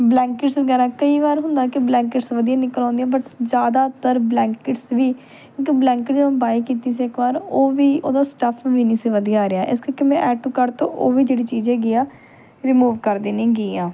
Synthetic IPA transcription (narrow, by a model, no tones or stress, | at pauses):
blɛ̃ːŋkɪʈsʋəɡɛːɾãːkəiːʋaːɾɦʊnd̪aːkɪblɛ̃ːŋkɪʈsʋəd̪ijãːnɪkəlɔ̃ːnd̪ijãːbəʈd͡ʒjaːd̪aːt̪əɾblɛ̃ːŋkɪʈsʋiː | kjõːkiblɛːŋkɪʈd͡ʒeːãːbaːiːkiːt̪iːs̬iːɪkʋaːɾoːʋiːʔoːd̪aːsʈəpʰʋiniːsiʋəd̪ijaːɾejaːʔɪskəɾikeːmɛ̃ːʔɛːʈuːkəɾt̪õːʔoːʋiːd͡ʒeːɽiːt͡ʃiːzɛ̃ːɡijaː | ɾɪmuːʋkəɾd̪iːnĩːɡiːãː